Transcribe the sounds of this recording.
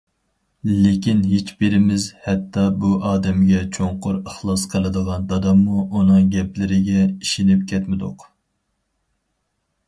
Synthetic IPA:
lekʲinɦet͡ʃbɪɾɪmɪzhɛt̪ʰːɑbuʔɑːd̪ɛmɡʲɛt͡ʃʰoŋqʊɾəχlˠɑsqʰəlˠɨd̪əʁɑnd̪ɑd̪ɑmːuʔunɨŋɡʲɛplɪɾɪɡʲɛiʃinɪp̚kʲʰɛt̪mɪd̪ʊ̰q

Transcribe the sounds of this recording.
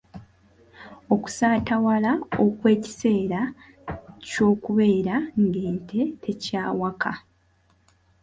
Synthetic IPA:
o̞ku̥saːtawalao̞kwe̞ːci̥se̞ːɾa | co̞ːkuβe̞ːɾaŋɡe̞ːntʰe̞tʰe̞caːwakʰa

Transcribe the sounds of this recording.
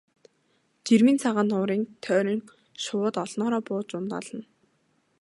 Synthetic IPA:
t͡ɕirmiːnt͡sʰaʁaːnʊːɾiːŋt̪ʰœːɾʲiːŋ | ʃʊwʊːt̪ɔɮnɔːɾɔːpʊːt͡ɕʊnt̪ɔ̰ɮə̆n

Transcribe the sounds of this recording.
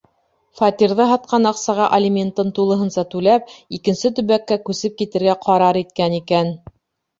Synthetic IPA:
fɑt̪ʲiɾðɤɦɑt̪̚qɑnɑqsɑʁɑʔɐlʲimʲent̪ɤnt̪ulˠɤ̆ɦɤ̆nsɑt̪ʉlæp̚ikɘ̆nsɘt̪̬ɵ̆βækːækʉsɘp̚kit̪ɘ̆ɾɡæqʰɑɾɑɾit̪̚kænikæn

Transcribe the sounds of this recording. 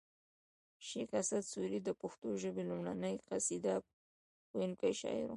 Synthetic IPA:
ʃikasad̪suɾid̪əpʊxt̪oʒəbelumɽanəjqasid̪a | enkajʃɑ̰ɪ̰ɾo

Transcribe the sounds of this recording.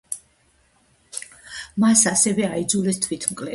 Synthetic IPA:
masasɛvɛaid̪zulɛst̪ʰwit̪ʰmkʼlɛ

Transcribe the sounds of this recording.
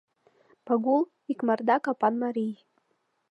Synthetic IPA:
paɡulˠ | ikmard̪ɑkɑpɑnmaɾij

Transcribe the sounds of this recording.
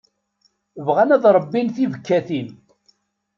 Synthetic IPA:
vʁanæðɾˤəbːinθivəkːæθin

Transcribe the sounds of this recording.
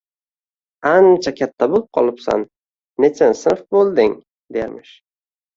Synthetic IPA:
ant͡ʃʰakʲʰat̪ʰːabolˠɪp̚qʰɒ̰lˠɪpsa̰nː | et͡ʃʰansɪfbolˠd̪ɪŋ | d̪ejmɪʃ

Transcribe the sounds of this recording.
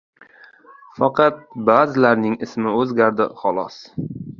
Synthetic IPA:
fɑqʰɑt̪̚baːzɪlaɾnɪŋɪsmɪɵzɡʲaɾd̪ɪχɒlˠɒ̰s

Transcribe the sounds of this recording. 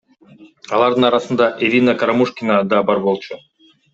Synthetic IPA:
ɑlˠɑɾd̪ɯnɑɾɑsɯnd̪ɑʔelʲinakaɾamuʃkʲinad̪ɑbɑɾbo̞lˠt͡ʃʰu

